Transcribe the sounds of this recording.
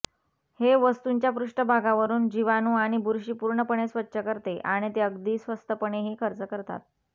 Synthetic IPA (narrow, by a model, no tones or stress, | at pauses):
heʋəst̪uɲt͡ɕjapɾuʂʈəbʱaɡaʋəɾuːnd͡ʑiʋanuːaɽ̃ibʱuɾɕiːpuɾɳəpəɳesʋətːɕʰəkəɾt̪eʔaɽ̃it̪eəɡd̪iːsʋəst̪əpəɳeɦikʰəɾt͡səkəɾt̪a̰t̪̚